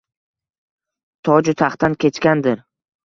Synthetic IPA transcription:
t̪ʰɒd͡ʒʊt̪ʰaχt̪ankʲʰe̞t͡ʃkʲand̪ɪɾ

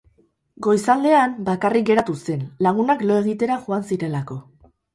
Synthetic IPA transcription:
ɡo̞jsald̪e̞ambakarik̚ɡe̞ɾat̪use̞nlaɣ̞unaklo̞e̞ɣ̞it̪e̞ɾaʝuansiɾe̞lako̞

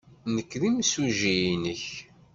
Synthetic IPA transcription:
nəkːðimsuʒijinəç

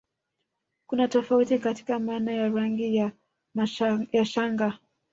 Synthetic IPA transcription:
kunatɔfautikati̥kamaːnajaɾaŋɡija | majaʃaŋɡa

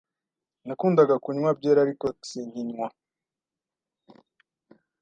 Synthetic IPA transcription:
nakuːndaɡakuɲŋwab̚ɟeːɾaɾikosiɲiɲŋwa

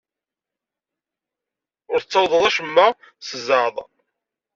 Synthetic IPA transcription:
ʊɾθət͡sːɑwðˤəðˤæʃəmːa | səzɑðˤ

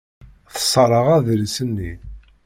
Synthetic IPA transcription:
θə̥sˤːəɾˤəʁæðlsənːi

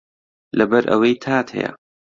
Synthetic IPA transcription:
lɐbɐɾʔɐ̰wejt̪ʰaːt̪hɐ̰jɐ̰

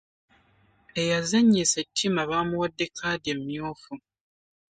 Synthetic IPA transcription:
e̞jazaɲːisetːimaβaːmuwadːe̞kʰaːdemːjoːfu

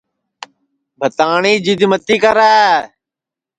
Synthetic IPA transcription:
bʱət̪aːɳiːd͡ʒiːd̪mət̪iːkəɾaː

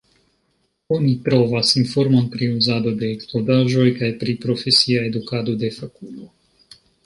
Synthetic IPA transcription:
onipɾovasinfoɾmonpɾiuzad̪od̪eːksplod̪aːʒojkajpɾipɾofesiaed̪ukad̪od̪efakulo

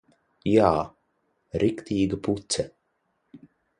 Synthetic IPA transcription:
jaː | ɾikt̪iːɡəpʰut̪sə

